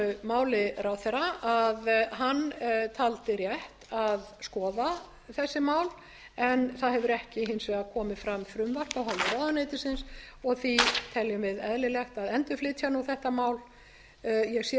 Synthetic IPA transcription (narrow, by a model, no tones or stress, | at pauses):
maːwlɪɾawθɛɾaʔaðɦant̪ʰalt̪ɪɾjɛht̪aðskɔːða | θɛsːɪmaːwl | ɛnθaðɦɛvʏɾɛhcɪɦensvɛɣakʰɔːmɪfɾamːfɾʏmvar̥kawɦalɪɾawðanejt̪ɪsɪnsɔɣθit̪ʰɛljʏmvɪðɛðlɪlɛxt̪aðɛnt̪ʏflɪːt̪ʰçanuθɛht̪amaːwl | jɛɣsjɛ